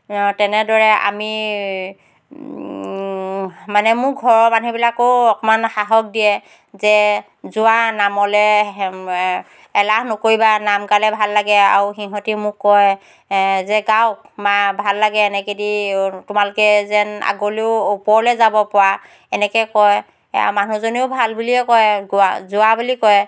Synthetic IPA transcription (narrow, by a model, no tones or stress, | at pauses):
tɛnɛdɔɹɛa̰mi | manɛmʊɡʱɔɹɔmanubilakoɔkɔmanxaɦɔk̚dijɛ | zɛ | zʊanamɔlɛ | ɛlahnokoɹibanamkalɛbʱalːaɡɛa̰ɹuxiɦɔtimʊkːɔj | zɛɡawk̚mabʱalːaɡɛːnɛkeditʊmalʊkɛzɛna̰ɡoliʊupɔɹlɛzabɔpɔwa | ɛnɛkɛkɔj | a̰manuzoniʊbʱalbuliɛkɔjɡazʊabulikɔɛ